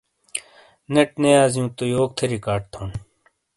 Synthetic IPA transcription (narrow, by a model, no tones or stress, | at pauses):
nɐʈnejaːzijũːt̪ojoːk̚t̪ʰɐɾiːkaːʈ̚t̪ʰoːn